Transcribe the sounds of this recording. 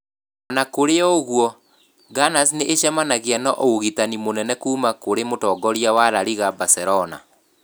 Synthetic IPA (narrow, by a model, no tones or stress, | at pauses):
ɔnakoɾeɔoɣwɔ | ɡanas̬neʔeɕɛmanaɣianɔʔooɣitanimonɛnɛkuːmakoɾemotɔːɡɔɾiawaɾaɾiɣabasɛɾɔna̰